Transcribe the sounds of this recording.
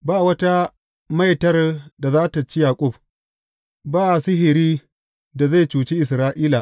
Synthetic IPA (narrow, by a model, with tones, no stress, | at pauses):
baː˦˨wɐ˦ta˦ | ma˦jtɐ˦rda˨zaː˦ta˨t͡ʃi˦jaː˨kʷʼʊ˦˨b | baː˦ʔa˨sɪ˦ɦɪ˨ɾiː˦ | da˨za˦˨jt͡ʃuː˨t͡ʃeː˦ʔɪ˨sɾaː˦ʔiː˦la˨ʔ